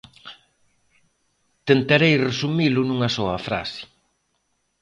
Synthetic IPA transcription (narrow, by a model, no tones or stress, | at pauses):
t̪ent̪aɾejresumilʊnũŋɐsɔɐfɾa̰sɪ̥